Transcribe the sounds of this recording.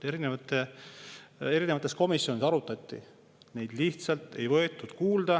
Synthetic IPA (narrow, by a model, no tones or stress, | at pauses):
eɾinevɑt̪ːˑe | e̞ɾinevɑt̪ːˑe̞sko̞misjo̞nisɑɾut̪ːˑɑt̪ʲˑːḭ | ne̞jd̪̥liht̪sɑlt̪e̞jvɤe̞t̪ːˑud̪̥kuːld̪̥ɑ